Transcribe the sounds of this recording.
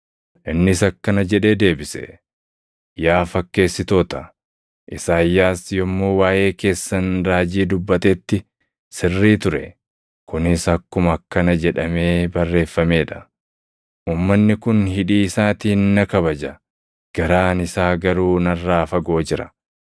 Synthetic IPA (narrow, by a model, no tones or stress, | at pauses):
ʔɪnːɪsɐkːɐnɐd͡ʒɛᶑe̞ːd̪e̞ːbɪsɛ̰ | jaːfɐkːe̞ːsːɪt̪o̞ːt̪ɐ | ʔɪsaːjːaːsjɔmːo̞ːwaːʔe̞ːke̞ːsːɐnɾaːd͡ʒiːd̪ʊbːɐt̪ɛt̪ːɪ | sɪrːiːt̪ʊɾɛ̰ | kʊnɪsɐkːʊmɐkːɐnɐd͡ʒɛᶑɐme̞ːbɐrːe̞ːfːɐme̞ːᶑɐ̥ | ʔuːmːɐnːɪkʊnɦɪᶑiːɪsaːt̪iːnːɐkɐβɐd͡ʒɐ | ɡ̥ɐɾaːnɪsaːɡɐɾuːnɐrːaːfɐɡo̞ːd͡ʒɪɾɐ